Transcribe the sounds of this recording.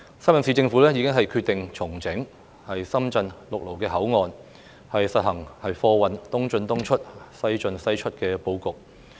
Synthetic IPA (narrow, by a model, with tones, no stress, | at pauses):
sɐ˥mɐ˨nsiː˨t͡sɪ˧ŋfu˨˥lɛː˥jiː˨˧kɪ˥ŋɦɐ˨jkʰy˧t̪ɪ˨ŋt͡sʰʊ˨˩ŋt͡sɪ˨˥ŋ | hɐ˨jsɐ˥mt͡sɐ˧nlʊ˨k̚lo˨˩wkɛː˧ɦɐ˨˥wŋɔː˨˧n | hɐ˨jsɐ˨t̚hɐ˨˩ŋhɐ˨jfɔː˧wɐ˨nt̪ʊ˥ŋt͡ʃɵ˧nt̪ʊ˥ŋt͡ʃʰɵ˥t̚sɐ˥jt͡ʃɵ˧nsɐ˥jt͡ʃʰɵ˥t̚kɛː˧po˧wkʊ˨k̚